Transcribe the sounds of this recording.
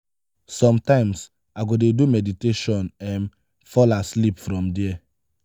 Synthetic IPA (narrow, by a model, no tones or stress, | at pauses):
sɔ̃mtãɪ̃ms | aɡodedumɛditeʃɔnɛ̃n | fɔlaslipfɾɔ̃mdɛɛ